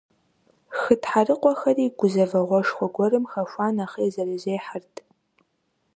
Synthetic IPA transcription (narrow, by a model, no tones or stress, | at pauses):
xɨtħarɨqʷʼɔxɐriːɡʷʊzɐvɐʁʷɔʂxʷɔɡʷɔrɨmxɐʃʷaːnaχɐjzɐrɐzeːħartʰ